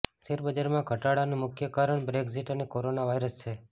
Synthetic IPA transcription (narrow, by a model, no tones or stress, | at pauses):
seɾbəd͡ʒaɾmãɡʱəʈaɽanũmʊkʰjəkaɾəɳbɾekziʈənekoɾonaʋaiɾəst͡ʃʰe